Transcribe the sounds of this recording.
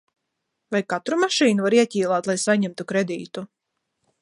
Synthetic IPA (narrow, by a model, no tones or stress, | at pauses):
vajkat̪ɾumaʃiːnuvaɾiɛcʲiːlˠaːt̪lˠajsaɲɛmt̪ukɾed̪ḭːt̪u